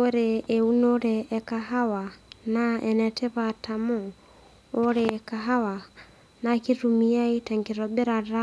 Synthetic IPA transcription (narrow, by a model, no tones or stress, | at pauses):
oɾɛːunoɾɛʔːkaɦawanaɛnɛtʰɛβatʰamɔ | oɾɛːkaɦawa | nakiɾumiaitaŋɡiɾɔɓɛɾaɾa